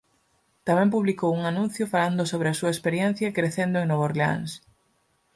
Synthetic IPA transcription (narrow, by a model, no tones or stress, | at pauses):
t̪amɛ̃mpuβlikowuŋanũn̟θjʊfaland̪ʊsoβ̞ɾɪasuɐespeɾjen̟θjɐkɾeθend̪ʊeŋnoβoɾlea̰ŋs